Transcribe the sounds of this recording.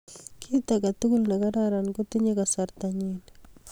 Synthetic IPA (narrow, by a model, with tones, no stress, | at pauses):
kʰitaka˨tu˦ku˦lna˨ka˦ɾaɾa˨nko˦ti˦ɲe˦ka˨sa˨ɾtaɲin